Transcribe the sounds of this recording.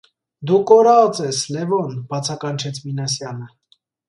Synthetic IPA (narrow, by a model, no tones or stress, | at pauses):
d̪ukɔɾɑt͡sɛslɛvɔnb̥ɑt͡sʰɑkɑnt͡ʃʰɛt͡sʰminɑsjɑnə